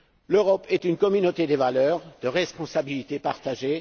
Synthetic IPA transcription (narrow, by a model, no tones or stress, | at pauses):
løʁɔpɛt̪ynkɔmynot̪ed̪evalœʁd̪əʁɛspɔ̃sabilit̪epaʁt̪aʒe